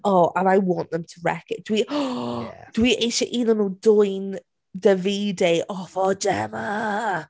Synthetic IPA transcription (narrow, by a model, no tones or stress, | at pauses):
oːʔə̃naɪwɒ̃nʔðə̃mtʰəɹɛ̰kɪʔd̥əwi | d̥əwiʔẽɪʃiʔiːlə̃nədɔɪ̃n | ðəviːdeɪʔɔfɔd͡ʒɛmə